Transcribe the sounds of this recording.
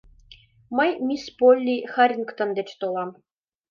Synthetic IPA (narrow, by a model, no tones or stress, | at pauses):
mɤjmʲispolʲːixɑɾʲinkt̪ɤ̆nd̪ĕt͡ɕt̪olˠɑm